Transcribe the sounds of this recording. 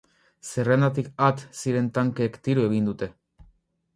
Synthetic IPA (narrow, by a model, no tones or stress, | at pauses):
se̞re̞nat̪ikat̪siɾe̞nt̪aŋkeːkt̪iɾue̞ɣ̞ind̪ut̪e̞